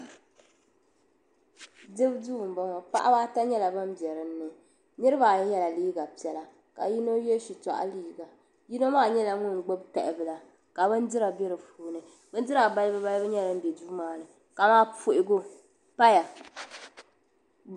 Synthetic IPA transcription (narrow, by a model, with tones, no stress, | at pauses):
dɨ˦bdu˦˨m˨ba˦ŋɔ˨pa̰˦ʔa̰˦baː˦ta˦ɲɛ˦la˨ba˦m˦bjɛ˨ɾɨ˨˦nː˦ɨ˨ | nɨ˦ɾɨ˦baː˨˦jɛ˦la˨liː˦ɡa˨pi˨˦ɛ˨˦la˨ | ka̰˨ji˦no˦jɛ˦ʃi˨ta̰˨ʔa̰˦liː˦ɡa˨ | ji˦no˦maː˦˨ɲɛ˦la˨ŋʊ˦n˨ɡ͡bo˦bta˨ɪ˨bɨ˦la˨ | ka˨bɨ˦n˦dɨ˦ɾa˨bɛ˦ɾɨ˨fuː˨nɨ˨ | bɨ˦n˦dɨ˦ɾa˨ba˦lɨ˦bɨ˦ba˦lbɨ˦ɲɛ˦lɨ˦n̩˦bɛ˨duː˦maː˨˦˨nɨ˨ | ka˨maː˦pu˨ʔɪ˨˦ɡo˦ | pa˦ja˨